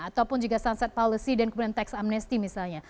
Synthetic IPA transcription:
at̪awpʊnd͡ʒuɡasansat̪̚pɔlisidankəmudant̪ɛksamnɛst̪imisalɲa

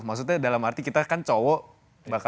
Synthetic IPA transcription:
maks̬ukt̪̚ɲadalamart̪ikit̪akant͡ʃowɔ | baka

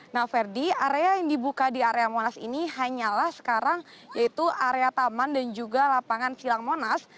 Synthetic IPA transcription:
nafɛrdiaɾeajaŋdibukadiaɾeamonasḭniɦaɲalahsə̥kaɾaŋ | jait̪uaɾeat̪amandand͡ʒuɡalapaŋansilaŋmonas

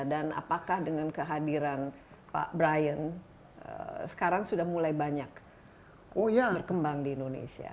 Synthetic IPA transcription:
dana̰pakahdəŋankəɦadiɾan | pa̰ʔbɾajən | ə̰sə̥kaɾaŋsudahmulajbaɲak | ojaərkəmbaŋdiːndonḛsia̰

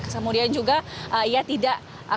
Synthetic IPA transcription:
kəsəmudiand͡ʒuɡaʔəijat̪idaʔ | a

